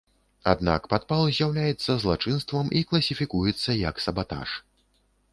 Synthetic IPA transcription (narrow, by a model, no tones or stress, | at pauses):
a̰d̪na̰kpat̪palˠzʲjawlʲajɛt̪sːɐzlˠat͡ʂɨnst̪vɐmiklˠɐsʲifʲikujɛt̪sːɐjɐksɐbat̪a̰ʂ